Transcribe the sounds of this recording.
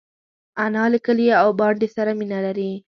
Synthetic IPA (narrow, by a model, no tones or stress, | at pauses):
anɑləkəliawbɑɳɖesaɾaminalaɾi